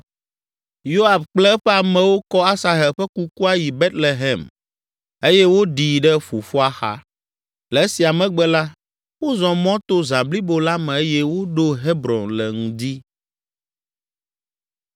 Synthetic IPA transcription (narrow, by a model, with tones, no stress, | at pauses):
jo˦a˨fk͡plɛ˦ɛ˦ɸɛ˦a˨mɛ̃˨wo˦kɔ˦a˦sa˨ɦɛ˨lɸɛ˦ku˦ku˦a˦ji˨be˦t̪le˨ɦɛ˨m | e˦jɛ˦wo˦ɖi˨ɖɛ˦ɸu˨fu˦a˦xa̰˦ | lɛ˨˦si˨a˨mɛ̃˨ɡ͡bɛ˦la˦ | wo˦zɔ̃˨mɔ̃˦t̪o˦zã˨bli˦bo˦la˦mɛ̃˨e˦jɛ˦wo˦ɖo˦ɦe˦bɾɔ̃˨nlɛ˨ŋũ˨d̪i˦